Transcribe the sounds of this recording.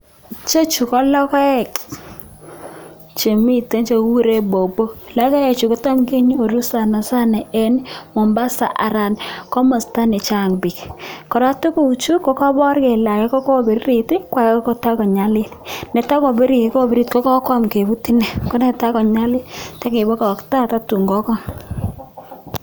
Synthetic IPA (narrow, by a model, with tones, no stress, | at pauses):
t͡ʃe˦t͡ʃu˨kɔ˦lɔ˦kɔ˦ɛ˦˨k | t͡ʃe˨mi˦te˦nt͡ʃe˨wu˦ɾe˦bo˨bo˦la˦kɔ˦e˨t͡ʃu˨ko˦ta˦mke˦ɲ˦o˨ɾu˦sa˨na˨sa˦nɛ˨ɛ˦nmɔ˨mba˦sa̰˨ʔa˨ɾa˨nkɔ˦ma˨sta˦nɛ˨t͡ʃa˦˨ŋbɪ˨kkɔ˨ɾa˦tu˦ku˦u˨t͡ʃu˦ko˦kɔ˦bɔ˦rke˨la˨kɛ˦kɔ˦ko˦˨be˨ɾi˦ɾi˨ti˦kwa˦kkko˦ta˦kɔ˨ɲa˦lɪ˦lne˨ta˦ko˨be˦ɾi˨˦ko˦be˦ɾi˦˨tko˦kɔ˦kɔ˦mke˨bu˦ti˦nɛ˨ko˦ne˦ta˦kɔ˨ɲa˦lɪ˦ta˦ke˨bɔ˦ka˨kta˦ta˦tu˨ŋɡɔ˦kɔ˦m